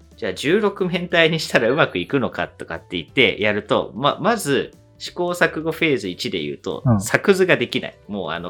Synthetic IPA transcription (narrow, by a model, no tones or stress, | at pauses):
d͡ʑaːd͡ʑɨːɾo̞kɯ̟mẽ̞nt̪aiɲ̟iɕi̥t̪aɾaɯ̟makɯ̟ikɯ̟no̞ka̰t̪ːo̞kat̪ːe̞it̪ːe̞̰jaɾɯ̟t̪o̞̰ma̰mazɨ | ɕi̥ko̞ːsakɯ̟ɡo̞ɸe̞ːzɨit͡ɕid̪e̞jɯ̟̰ːt̪o̞̰sakɯ̟zɨɡad̪e̞kʲina̰imo̞̰ːa̰no